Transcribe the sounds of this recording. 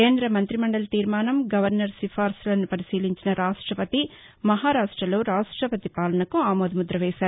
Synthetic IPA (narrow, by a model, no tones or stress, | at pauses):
keːnd̪ɾɐmɐnt̪ɾimɐɳɖɐlt̪iːɾmaːnɐmɡɐʋɐɾnɐɾsifʰaːɾslɐnːupɐɾisiːliɲt͡ʃinɐɾaːʂʈɾɐpɐt̪i | mɐɦaːɾaːʂʈɾɐlo̞ːɾaːʂʈɾɐpɐt̪ipaːlɐnɐkuaːmoːd̪ɐmud̪ɾɐʋɛːʃaːɾu